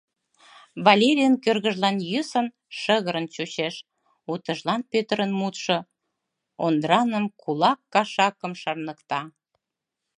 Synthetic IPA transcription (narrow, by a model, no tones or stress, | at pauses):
βɑlʲeɾʲijənkørɣəʒlɑnjysən | ʃəɣəɾənt͡ɕut͡ɕeʃ | ut̪əʒlɑnpøt̪əɾənmut̪ʃo | ond̪ɾɑnəmkulɑkːɑʃɑkəmʃɑrnəkt̪ɑ